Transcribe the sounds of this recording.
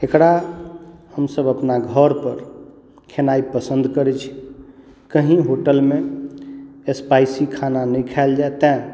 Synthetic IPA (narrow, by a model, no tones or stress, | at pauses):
ekɽa | həmsəbəpnaɡʱəɾpəɾ | kʰenaipəsənd̪ʱkəɾɛt͡ʃʰi̥ | kəɦĩɦoʈəlmẽ | espajsikʰananɛkʰaeld͡ʒaet̪ɛ̃